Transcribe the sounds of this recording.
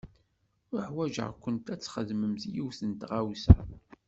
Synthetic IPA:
ʊɾəħwæʒə̰ʁkʷːənt̪æt͡sːχəðməmθijiwθənt̪ʁawsæ̰

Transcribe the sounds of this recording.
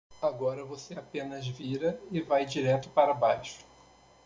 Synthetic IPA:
aɡɔɾɐvoseapẽnɐzviɾɐɪvajd͡ʒiɾɛt̪ʊpaɾɐbajʃʊ̥

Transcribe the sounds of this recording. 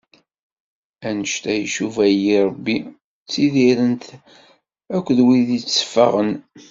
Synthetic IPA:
ænəʃt̪æjʃuvæjiɾˤəbːi | t͡sːiðiɾənt̪ | ækʷːðwiðit͡sːə̥fə̰ʁən

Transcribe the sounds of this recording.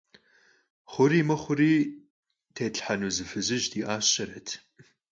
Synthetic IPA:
χʷʊɾiːmɐχʷʊɾiː | tʰeːɬʼħanuːzɨfɨzɨʒdiːʔaːɕɐɾɐtʰ

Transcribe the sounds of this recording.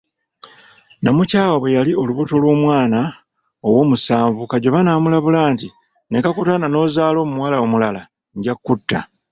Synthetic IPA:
namucaːwaβwe̞jalio̞luβuto̞lwoːmwaːna | o̞wo̞ːmusaːɱvukaɟo̞βanaːmulaβulaːnti | ne̞kakutanano̞zaːlo̞ːmumuwalao̞mulala | ɲɟakːutːa̰

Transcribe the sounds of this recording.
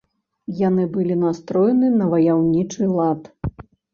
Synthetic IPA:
janɨbɨlʲinast̪ɾɔjɛnɨnɐvɐjawnʲit͡ʂɨlˠat̪

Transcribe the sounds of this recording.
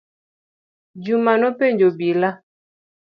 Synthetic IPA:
d͡ʒumanɔpeɲd͡ʒobila

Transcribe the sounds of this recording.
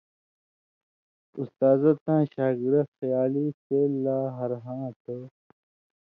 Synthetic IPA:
ust̪aːzɐt̪ãːɕaːɡiɾɐxɐjaːliselaːɦɐɾɦãːt̪ə

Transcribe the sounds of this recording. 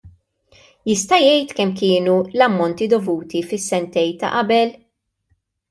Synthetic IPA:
jɪst̪ɐjɛjt̪kɛmkɪːnulɐmːɔnt̪id̪ɔvuːt̪ifɪsːɛnt̪ɛjt̪ɐ̰ʔɐbɛl

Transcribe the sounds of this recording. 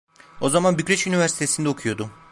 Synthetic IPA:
o̞zamanbycʲɾeʃynivʲæɾsi̥t̪ʰe̞sind̪ɛo̞kʰujo̞d̪ʊ

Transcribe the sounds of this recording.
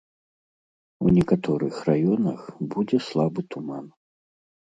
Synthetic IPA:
ṵnʲɛkat̪ɔɾɨxrajɔnɐxbud͡zʲɛslˠabɨt̪uman

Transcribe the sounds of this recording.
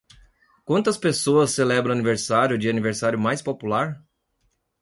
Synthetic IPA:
kwɐ̃nt̪ɐspesoɐsːelɛbɾɐ̃ɐniveɾsaɾjʊd͡ʒɪɐniveɾsaɾjʊmajspopulaɾ

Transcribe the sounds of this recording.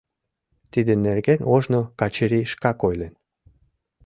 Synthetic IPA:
t̪id̪enerɡenoʒnokɑt͡ɕeɾiʃkɑkojlen

